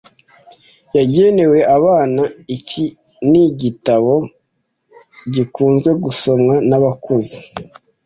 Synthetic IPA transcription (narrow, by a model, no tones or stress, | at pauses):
jaɟe̞ne̞we̞ʔaβaːnaici | niɟitaβo̞ | ɟikuːnzɡwe̞ɡuso̞mŋanaβakuzi̥